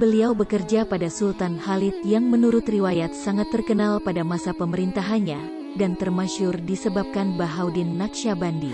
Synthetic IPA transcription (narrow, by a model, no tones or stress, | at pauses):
bəliawbəkərd͡ʒapadasult̪anhalit̪̚jaŋmənuɾʊt̪riwajat̪̚saŋat̪ːərkənalpadamasapəməɾint̪aɦanɲa | dant̪ərmaʃʊrdisəbap̚kanbaɦawdinːakʃabandi